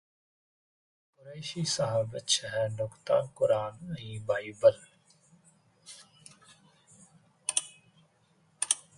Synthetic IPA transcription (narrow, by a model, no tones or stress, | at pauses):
kʊɾeːʃiːsəɦaːbət̪ʃəɦɛnoːkt̪a̰ːkʊɾaːnəĩːbʱaːiːbəl